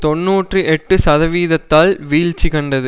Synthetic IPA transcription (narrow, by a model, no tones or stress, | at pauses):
t̪ɔnːuːʈrɯʔɛʈːɯsɐðɐʋiːðɐt̪ːaːlʋiːɻt͡ʃːikɐɳɖɐðɯ